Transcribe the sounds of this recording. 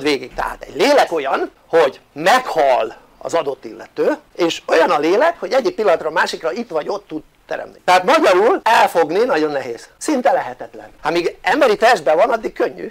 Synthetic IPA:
d̪ʋeːɡikt̪ɛ̰ɦa̰ːt̪ɛ̰ɟleːlɛko̞jɒn | hoɟmɛkhɒlː | ɒ̰zɒd̪o̞t̪ːilːɛ̰t̪øːeːʃo̞jɒnɒleːlɛkho̞ɟɛɟːik̚pilːɒnɒt̪rɒːmaːʃikrɒit̪ʋɒɟo̞t̪ːud̪ | t̪ɛ̰ɾɛ̰mnit̪ɛɦaːt̪mɒɟɒɾulɛlfoɡninɒɟo̞nːɛɦeːz̥sint̪ɛlɛɦɛt̪ɛt̪lɛ̰nhamiːɡɛmbɛɾit̪ɛrʒd̪̚bɛvɒnɒd̪ːikkøɲːy̰

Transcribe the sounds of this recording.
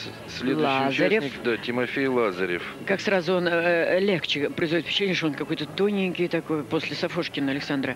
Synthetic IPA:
sʲlʲelˠazəɾʲɪfnʲɪd̪atʲɪmɐfʲejlˠazəɾʲɪ̰fkaksrazʊo̞nlʲekt͡ɕɪpɾʲəɪzvojt̪pɾɪt͡ɕːɪlenʲɪəʂt̪oonkɐko̞jt̪ət̪onʲɪŋʲkʲɪjt̪ɐko̞jpo̞sʲlʲɪsɐfoʂkʲɪnəɐlʲɪksand̪ɾə

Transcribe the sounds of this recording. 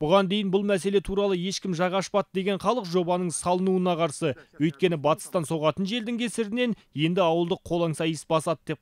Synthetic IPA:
b̥ʊʁɑnd̪e̞jɪnbʊlˠmæse̞le̞t̪ʰuɾɑlˠəje̞ʃkʲɪmʒɑʁɑʃpɑt̪̚d̪e̞ɡʲe̞ɴχɑlˠəqʒo̞bɑnəɴsɑlˠənuənɑqʰɑɾsəwɵjt̪̚kʲe̞nɪbɑt̪ə̥st̪ɑnso̞ʁɑt̪ənʒe̞ld̪ɪŋkʲʰe̞sɪɾɪne̞n | je̞nd̪ɪɑwəlˠd̪əqʰːo̞lˠɑŋsɑjəsbɑsɑd̪əd̪e̞p̚

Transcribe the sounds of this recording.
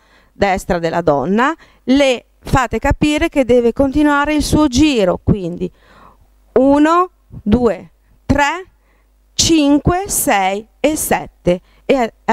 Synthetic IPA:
d̪ɛst̪ɾad̪elʔad̪ɔ̰nːa | le | faːt̪ekapiːɾeked̪ːɛːvekont̪inuwaːɾeilsuːod͡ʒiːɾokwind̪i | uːno | d̪uːe | t̪ɾe | t͡ʃiŋkwesɛjː | sɛt̪ːe

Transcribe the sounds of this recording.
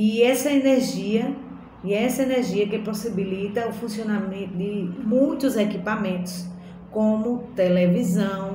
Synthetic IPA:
iɛsɐeneɾʒiɐ | iɛsɐeneɾʒiɐkɪposibilit̪ɐufũsiõnamẽnt̪ʊd̪ɪmũj̃t̪ʊzekipamẽnt̪ʊ̥s | kõmʊt̪elevizɐ̃w̃

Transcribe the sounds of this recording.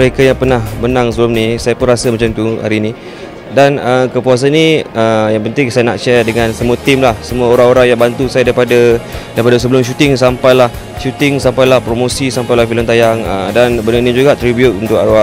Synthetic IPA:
məɾekajaŋpərnahbənãŋsəbəlʊmnisajapʊnrasamat͡ʃamt̪uha̰ɾiːnĩ | danəkəpuas̬aniəjaŋpənt̪ɪŋsajana̰ʔʃɛrdəŋãnsəmũat̪ɪmlahsəmuaoɾaŋoɾaŋjaŋbant̪usajadaipadadaipadas̬əbəlʊmʃ̬ut̪ɪŋs̬ampajlah | ʃut̪ɪŋsampajlahpɾomosisampajlahfiləmt̪ajaŋə̰danbənənid͡ʒuɡaʔt̪ɾibjut̪̚unt̪ʊkaa

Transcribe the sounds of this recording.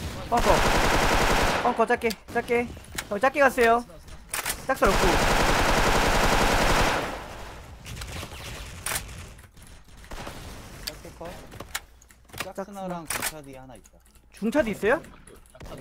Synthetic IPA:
pʌk͈ʌ | pʌk͈ʌt͡ɕ͈ak͈et͡ɕ͈ak͈e | t͡ɕʌt͡ɕ͈ak͈eɡas͈ejo | t͡ɕ͈ak̚s͈ʌɾʌp̚k͈o | t͡ɕ͈a | t͡ɕuŋt͡ɕʰʌd̪iis͈ʌjo

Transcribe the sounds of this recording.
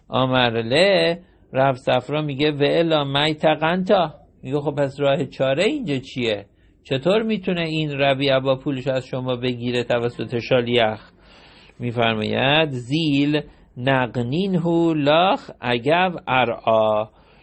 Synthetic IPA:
ʔɒːmæɾle | ɾævsæfɾɒːmiːɡeveelɒːmæjt̪ʰæɣænt̪ʰɒː | miɡexob̚pæsrɒːhet͡ʃʰɒːɾeiːnd͡ʒɒt͡ʃʰie | t͡ʃʰe̞t̪ʰoːɾmiːt̪ʰuneinɾæbiæbɒːpʰuːleʃoæzʃomɒːbe̞ɡiːɾet̪ʰævæsːo̞t̪ʰeʃɑːlijæx | miːfæɾmɒ̰ːjæ̰d̪ziːl | næɡniːnɦuːlɒːxʔæɟævæɾʔɒː

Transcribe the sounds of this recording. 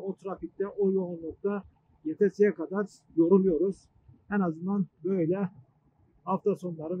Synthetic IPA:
ot̪ʰɾafik̚t̪ɛʔojlˠolˠunlˠuk̚t̪a | jet̪ʰɛsijɛkad̪aɾ | j̪o̞ɾulˠujo̞ɾuz̥ | ɛnazɯnd̪anbøjlʲɛ | haft̪ʰaso̞nlˠaɾɯ

